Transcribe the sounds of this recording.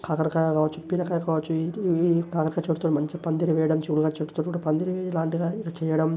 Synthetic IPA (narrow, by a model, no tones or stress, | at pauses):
kaːkɐɾkakaːʋɐt͡ʃːupiɽɐkakaːʋɐt͡ʃːu | kaːkɐɾkːɐt͡ʃeʈut̪uːʈmɐɲt͡ʃipɐnd̪iɾiʋɛːjɐɽɐmt͡ʃiɽuɡaːt͡ʃeʈːut̪uːʈkːuɽɐpɐnd̪iɾiʋɛːlaːɳʈiɡaiɐt͡ʃɛːjɐɽɐm